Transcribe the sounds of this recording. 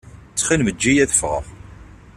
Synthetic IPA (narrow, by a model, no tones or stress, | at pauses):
t͡sːχilməd͡ʒːijæθə̥fʁə̰ʁ